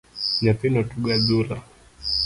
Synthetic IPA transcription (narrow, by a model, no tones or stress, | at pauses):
ɲapinɔtuɡazula